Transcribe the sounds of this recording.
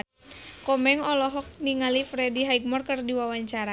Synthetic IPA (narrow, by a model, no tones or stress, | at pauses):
kɔmɛŋɔlɔɦɔk̚niŋalifɾɛdiɦaiɡ̚mɔrkɨrdiwawaɲt͡ʃaɾa